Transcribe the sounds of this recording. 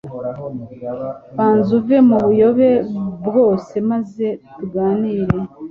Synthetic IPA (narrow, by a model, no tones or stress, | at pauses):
βaːnzuve̞muβujo̞βe̞bɡo̞ːse̞maze̞tuɡaːniːɾe̞